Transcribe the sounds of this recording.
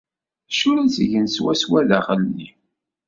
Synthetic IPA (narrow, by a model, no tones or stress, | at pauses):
ʃʊɾæsəʝənswæswæðaχəlːi